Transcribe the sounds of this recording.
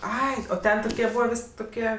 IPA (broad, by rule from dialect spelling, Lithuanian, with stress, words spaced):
ˈɐɪ oː ˈtʲɛn toːˈkʲiɛ ˈbuːʋɐ ˈʋʲɪsʲ toːˈkʲiɛ